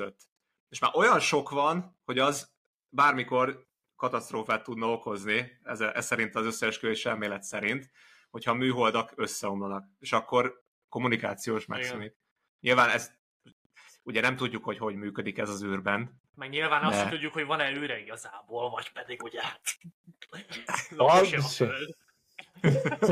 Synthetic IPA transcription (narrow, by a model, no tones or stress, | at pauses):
øt̪ː | eːʃmaːʔo̞jɒnʃo̞kvɒnho̞ɟɒz | baːrmiko̞r | kɒt̪ɒst̪ɾoːfaːt̪ːud̪nɒo̞ko̞zniɛzɛʔɛ̰sɛɾint̪ɒzø̞sːɛʃkøeːʃɛ̰lmeːlɛt̪sɛɾint̪ | ho̞cʰhɒmyːɦo̞ld̪ɒkø̞sːɛo̞mlonɒkeːʃɒkːo̞r | ko̞munika̰ːt̪sijoːʃmɛ̰ksɛnit̪ | ɲilvaːnɛs | uɟɛnɛmt̪uɟːukho̞cho̞ɟmyːkød̪ikɛzɒzyːrbɛn | mɛɡɲilvaːnɒsʃɛt̪uɟːukhoɟvɒnɛyːɾɛiɡɒzaːboːlvɒɟpɛd̪iɡuɟɛ | lʃd̪